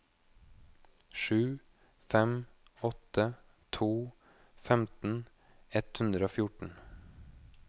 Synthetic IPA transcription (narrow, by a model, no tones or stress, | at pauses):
ʃʉː | fɛmɔt̪ə | t̪ʰuː | fɛmt̪n̩ | ɛt̪hʉnd̪ɾəoːfjʊʈɳ̩